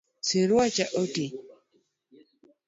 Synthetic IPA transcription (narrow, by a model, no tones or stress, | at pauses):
siɾwat͡ʃaʔoti